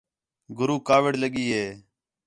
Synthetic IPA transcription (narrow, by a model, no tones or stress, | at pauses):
ɡʱʊɾuːkaːʋɪɽləɠiːɦeː